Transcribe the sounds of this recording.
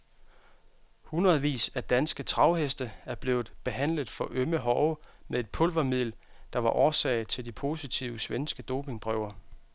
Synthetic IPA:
hunʁɐð̩ˠʋḭːsæd̥ænsɡ̥ət͡sʰʁɑ̈ʊɦesd̥əæɐb̥le̝ːʊð̩ˠb̥e̝ɦæn̰ləð̩ˠfɒ̽ʔøməɦɒʊmeðˠe̝d̥̚pʰɔlʋɐmið̰ˠl | d̥ɑ̈ʋɑ̈ʔɒːsɛ̰ːɪt͡sʰe̝ld̥ipʰo̝sit͡sʰiʊsʋensɡ̥əd̥o̝̰ːpʰe̝ŋb̥ʁœʊɐ

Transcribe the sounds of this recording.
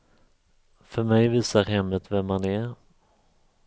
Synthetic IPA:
fœɾmɛjviːsaɾɦɛmːət̪vɛmhanæɾ

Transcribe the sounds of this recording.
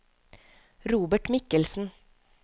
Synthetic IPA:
ɾuːbəʈmɪkəlsn̩

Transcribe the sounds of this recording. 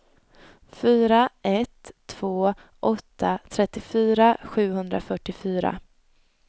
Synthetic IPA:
fyːɾaʔɛt̪ʰːv̥oː | ʔɔt̪ʰːat̪ʰɾɛt̪ːɪfyːɾaɧʉ̟ːhɵnd̪ɾa̰fœʈːɪfyːɾa̰

